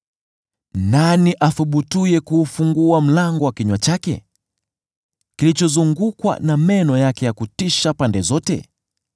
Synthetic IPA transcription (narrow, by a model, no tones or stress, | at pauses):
naniʔaθuɓutujɛkuːfuŋɡuam̩laŋɡɔwakiɲwat͡ʃakɛ̰ | kilit͡ʃɔzuŋɡukwa̰namɛnɔjakɛjakutiʃapandɛzɔtɛ̰